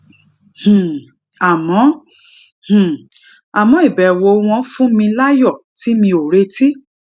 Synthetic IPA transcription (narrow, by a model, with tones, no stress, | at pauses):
h̩˨ | a˨mɔ̃˨˦ | h̩˨ | a˨mɔ̃˨˦i˦˨bɛ˨wo˧w̃ɔ̃˧fũ˦mĩ˧la˦jɔ˦˨ti˨˦mĩ˧o˨ɾe˧˦ti˦